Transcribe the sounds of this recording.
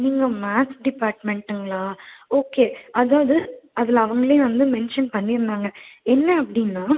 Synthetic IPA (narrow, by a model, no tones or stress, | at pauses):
niːŋɡɐmaːsɖɪpaːɾʈmɛɳʈːɯŋɡɐɭaːoːkeːɐðaːʋɐðɯɐðɪlɐʋɐŋɡɐɭɪjẽʋɐnd̪ɯmɛnʂɐnpɐnːɪɾɯnd̪aːŋɡɐɛnːɐɐpːɐɽɪnːaː